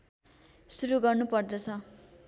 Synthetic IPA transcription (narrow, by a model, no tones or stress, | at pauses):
suɾuɡʌrnupʌrd̪ʌt͡sʰʌ